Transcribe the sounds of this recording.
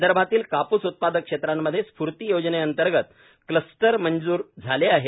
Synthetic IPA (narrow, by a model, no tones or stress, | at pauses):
d̪əɾbʱat̪iːlkapuːsut̪̚pad̪əkʂet̪ɾamːəd̪ʱːjespuɾt̪iːjod͡ʑneənt̪əɾɡət̪̚ | kləsʈəɾmənd͡zuːɾd͡zʱaleaɦe